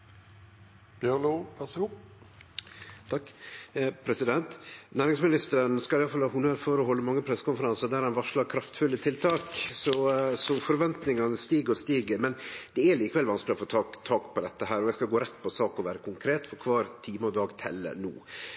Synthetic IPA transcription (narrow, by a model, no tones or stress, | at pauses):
b̥jœlupʰɛshup | t̪ʰɑ | pʰɾɛsɪd̪ɛnt̪næːɾɪŋsmɪnɪst̪əɾənskɑlɪjɑlfɑlhɑːʊnøːɾfɔɾɔɦɔlːəmɑŋːəpʰɾɛsːə̥kʊnfəɾɑnsəɾd̪æːɾhɑnʋɑʂɭɑɾkʰɾɑft̪fʉlːət̪ʰɪlt̪ʰɑːksɔsɔfɔɾʋɛnt̪nɪŋɑnəst̪iːɡəɾɔst̪iːɡəɾmɛnd̪ɛæliːkəʋɛlʋɑnskəlɪɔfoːt̪ʰɑt̪ʰɑːkpʰɔd̪ɛt̪ːəɦæːɾɔjæɪskɑlɡoːɾɛt̪ːpʰɔsɑːkɔʋæːɾəkʰʊŋkʰɾeːt̪fɔɾkʰʋɑːɾt̪ʰiːmɔd̪ɑːɡt̪ʰɛ̰lːə̰nṵː